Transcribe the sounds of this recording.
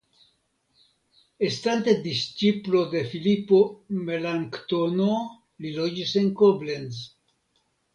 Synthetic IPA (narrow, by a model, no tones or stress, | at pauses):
est̪ant̪ed̪ist͡ʃiplo̞d̪e̞filipo̞melaŋkt̪ono | lilod͡ʒise̞ŋkoblenz